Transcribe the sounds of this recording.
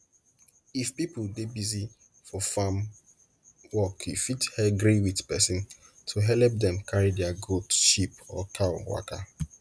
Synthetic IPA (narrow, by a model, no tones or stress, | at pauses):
ifpipʊldebizi | fɔfam | wɔkjufithɛɡɹiwitpɛsĩn | tʰuɦɛlp̚dɛ̃mkʰaɹidɛaɡotʃipɔkʰaʊwa̰ka̰